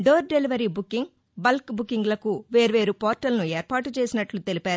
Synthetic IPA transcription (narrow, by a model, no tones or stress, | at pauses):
ɖoːɾɖe̞liʋɐɾiːbukːiŋɡ | bɐlkbukːiŋɡlɐkuʋe̞ːɾuʋe̞ːɾupoːɾʈɐlnue̞ːɾpaːʈut͡ʃe̞ːsinɐʈlut̪e̞lipaːɾu